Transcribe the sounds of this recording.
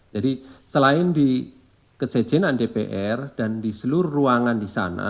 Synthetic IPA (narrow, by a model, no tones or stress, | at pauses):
d͡ʒadisəlaɪndi | kət͡ʃɛ̥d͡ʒ̥ɪnandepḛʔɛrd̥andisəluɾuruaŋandisa̰na̰